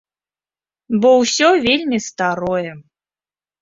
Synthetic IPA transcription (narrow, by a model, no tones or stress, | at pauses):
bɔwsʲɔvʲelʲmʲist̪aɾɔjɛ